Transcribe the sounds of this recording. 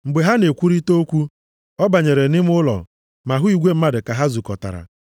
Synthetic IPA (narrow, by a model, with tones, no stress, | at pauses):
ŋ͡m̩˨ɡ͡be˨ɦa˦ne˨kʷu˦ɾi˦to˦kʷu˦ | ɔ˦ba˨ɲe˨ɾe˨nɪ˦m˦ʊ˦lɔ̰˨ | ma˨ɦʊ˦i˨ɡʷe˦m̩˦ma˦dɪ˨ka˨ɦa˦zu˨kɔ˨ta̰˨ɾa̰˨